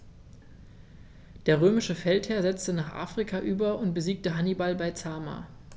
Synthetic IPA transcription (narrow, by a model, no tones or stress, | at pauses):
d̥eːɐʁ̞øːmɪʃəfɛlthɛːɐzɛt͡stənaːχʔa̰ːfʁ̥ikʰaʔyːbɐʊnt̚b̥əziːk̚təɦanibalbaɪt͡saːma̰ː